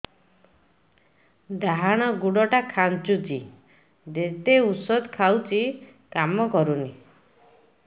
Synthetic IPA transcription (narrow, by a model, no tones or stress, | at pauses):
d̪aɦaɽ̃ɔɡuɽɔʈakʰant͡ʃut͡ʃi | d̪et̪eusɔd̪kʰawt͡ʃi | kamɔkɔɾuni